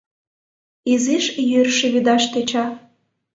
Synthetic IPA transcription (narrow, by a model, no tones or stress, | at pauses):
iziʃjørʃĕβid̪ɑʃt̪et͡ɕɑ